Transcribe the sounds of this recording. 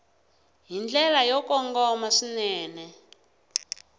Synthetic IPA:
ɦind͡ɮɛlajɔkɔŋɡɔmaʂinɛːnɛ

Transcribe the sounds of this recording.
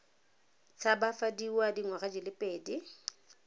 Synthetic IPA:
t͡sʼabafadiwadiŋwaɣad͡ʒɪlɪpʼeːdi

